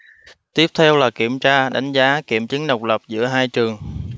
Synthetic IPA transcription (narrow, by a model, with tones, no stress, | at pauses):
t̪i˦˥əp̚t̪ʰɛ˧wlaː˨˩ki˧˩əmt͡ɕaː˧ɗa̰˨˦jŋ̟zaː˨˦kḭ˧˩əmt͡ɕi˨˦ŋ̟ɗə˨˩wk͡p̚lə˨˩p̚zɨ̰˧˥əɦaː˧jt͡ɕɨ˨˩əŋ